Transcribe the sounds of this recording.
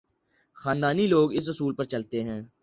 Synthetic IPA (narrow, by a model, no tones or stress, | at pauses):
xaːnd̪aːniloːɡɪs̬ʊsuːlpəɾt͡ʃɐlt̪eɦɛ̃ː